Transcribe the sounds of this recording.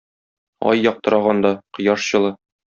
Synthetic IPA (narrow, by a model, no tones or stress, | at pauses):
ɒ̰jːɒq̚t̪ɤ̆ɾɑʁɑnd̪ɑqɤ̆jɑʃɕɤ̆lˠɤ